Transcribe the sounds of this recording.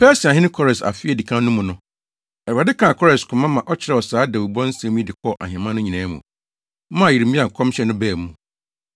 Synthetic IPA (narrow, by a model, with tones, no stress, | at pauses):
pʰɛ˦si˨a˨ɦɪ̃˦nɪ̃˦kʰɔ˦ɾɛ˨sa̰˨fɪ˦ɛ˨di˨kʰã˦nʊ̃˦mʊ̃˨nʊ̃˦ | ɛ˨a˨dɪ˦kʰã˨kʰɔ˦ɾɛ˨skʰʊ̃˨mã˦mã˨ʔɔ˦t͡ɕʰɪ˦ɾɛ˨wɔ˨saː˦dɛ˨wu˨bɔ̃˦n̩˦sɛ̃˦mũ˦˨dɪ˨kʰɔ˦˨ʔa̰˨hɪ̃˨mã˦nʊ̃˦ɲĩ˨nɛ̃ː˨˦mṵ̃˨˦ | mã˦˨ji˨ɾi˨˦ĩ˦a˨ŋ̩˨kʰɔ̃˦mɕɛ˨˦nʊ̃˦bɛː˦˨mũ˨